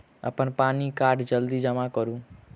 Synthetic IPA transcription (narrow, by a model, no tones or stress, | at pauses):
ə̰pəɳpaːnikaːɖd͡ʒəld̪id͡ʒəmãkəɾũː